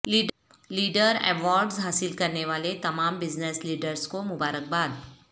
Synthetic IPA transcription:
liːɖ | liːɖəɾɛ̰ːʋɔːɾɖzɦaːsɪlkɐɾneʋaːlet̪ɐmaːmbɪznəsliːɖəɾzkomʊbaːɾək̚baːd̪

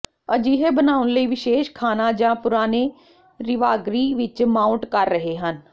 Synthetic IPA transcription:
əd͡ʒiːɦeːbənaːʊnləiːʋɪʃeːʃkʰaːnãːd͡ʒãːpʊɾaːneː | ɾɪʋaːɡɾiːʋɪt͡ʃmaːʊɳʈkəɾːəɦeːɦən

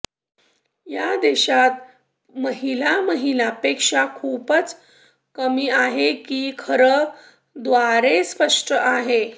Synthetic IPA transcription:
jad̪eɕat̪ | məɦilaməɦilapekʂakʰuːpət͡s | kəmiːaɦekiːkʰəɾə | d̪ʋaɾespəʂʈʰəʔaɦe

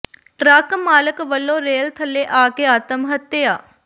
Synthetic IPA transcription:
ɾəkmaːləkʋəlːõːɾeːlt̪ʰəlːeːʔaːkeːaːt̪əmɦət̪ːeaː

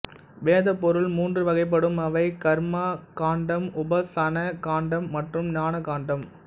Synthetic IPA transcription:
ʋeːðɐpːɔɾɯlmuːndrɯʋɐɣɐɪp̬ːɐɽɯmɐʋɐɪkɐɾmaːkaːɳɖɐmʊbɐsɐnɐkaːɳɖɐmːɐʈrɯmnaːɳɐkaːɳɖɐm

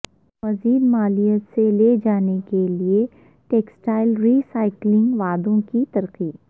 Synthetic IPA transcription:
mɐziːd̪maːlijət̪seled͡ʒaːnekelie | ʈeːksʈaːɪlɾiːsaːɪklɪ̃ŋɡʋaːd̪õkit̪ɐɾqiː

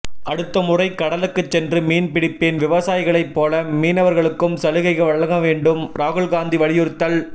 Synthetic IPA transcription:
ɐɽɯt̪ːɐmʊrɐɪkɐɽɐlɯkːɯt͡ʃsɛndrɯmiːnpɪɽɪpːenʋɪʋɐsaːjɪɣɐɭɐɪpːoːlɐmiːnɐʋɐɾɣɐɭɯkːɯmsɐlɯɣɐɪɣɐʋɐɭːɐŋɡɐʋeːɳɖɯmɾaːɣɯɭɡaːnd̪iʋɐɭɪjɯɾt̪ːɐl

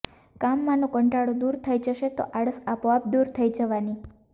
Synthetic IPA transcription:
kamːãnõkəɳʈaɽod̪uɾt̪ʰəid͡ʒəʃet̪o̰ʔaɽəsapoap̚d̪uɾt̪ʰəid͡ʒəʋani

